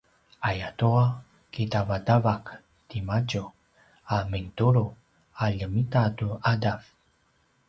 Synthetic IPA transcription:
ajatua | kitavadavak | timaɟu | aməntuɾu | aʎəmitatuadav

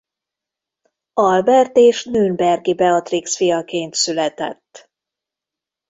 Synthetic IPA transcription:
ɒlbɛrt̪eːʃnøːnbɛrɡibɛɒt̪riksfijɒkeːnt̪sylɛt̪ɛ̰t̪ː

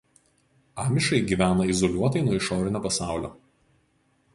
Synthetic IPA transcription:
ɑːmʲɪʃɐɪɡʲiːʋʲæːnɐɪzɔlʲuɔt̪ɐɪnuɔɪʃoːɾʲɪnʲoːpɐsɑˑʊlʲo̰ː

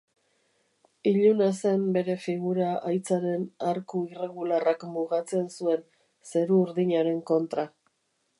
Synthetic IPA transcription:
iʎunase̞mbe̞ɾe̞fiɣuɾaajt͡saɾe̞naɾkuire̞ɣularakmuɣat͡se̞nsue̞n | se̞ɾuːɾðiɲaɾe̞ŋko̞nt̪ɾa

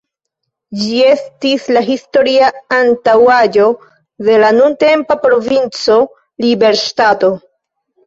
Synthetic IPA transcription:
d͡ʒie̞stislaɦisto̞ɾiaantawad͡ʒo̞ | de̞lanunte̞mpapɾo̞vint͡so̞ | libe̞ɾʃtato̞

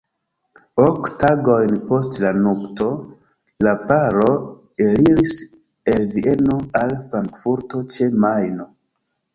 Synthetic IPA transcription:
oktaɡo̞jnpo̞stlanokto̞ | lapaɾo̞ | eliɾis | elviʔe̞noalfɾaŋkfuɾto̞t͡ʃe̞majno

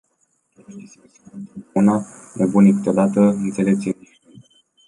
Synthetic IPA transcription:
t̪unanebunikɨ̥t̪o̞d̪at̪əɨnt̪se̞lep̚sʲii

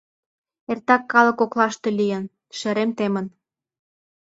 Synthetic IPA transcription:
ert̪ɑkːɑlə̆koklɑʃt̪elijə̆n | ʃeɾemt̪emə̆n

